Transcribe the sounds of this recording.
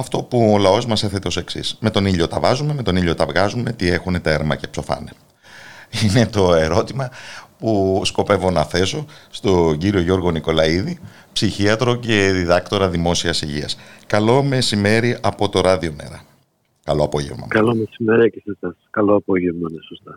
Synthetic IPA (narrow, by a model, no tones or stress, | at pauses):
ɐft̪o̞puolɐo̞zmɐse̞θe̞t̪eo̞se̞ksḭsme̞t̪o̞niʎo̞t̪ɐvɐzume̞me̞t̪o̞niʎo̞t̪ɐvɣɐzume̞t̪ie̞xune̞t̪eɾmɐce̞pso̞fɐ̰ne̞ | ine̞t̪o̞e̞ɾo̞t̪imɐpusko̞pe̞vo̞nɐθe̞so̞st̪o̞ɟiɾio̞ʝo̞ɾɣo̞niko̞lɐiði | psiçiɐt̪ɾo̞ce̞ðiðɐkt̪o̞ɾɐðimo̞siɐsiʝḭɐ̰skɐlo̞me̞sime̞ɾiʔɐpo̞t̪o̞ɾɐðio̞me̞̰ɾɐ̰ | kɐlo̞ɐpo̞ʝe̞̰vmɐ̰kɐlomesimeɾiɐcesesɐskɐloɐpoʝevnɐnesost̪ɐ